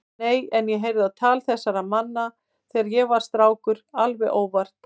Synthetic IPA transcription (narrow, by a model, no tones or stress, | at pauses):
eːjɛnjɛɦejɾvðɪaðt̪ʰaːlθɛsːaɾaðmanːa | θɛːɣaɾjɛɣvaɾ̥st̪ɾaːwkʏɾalvɛʔoːwvar̥t̪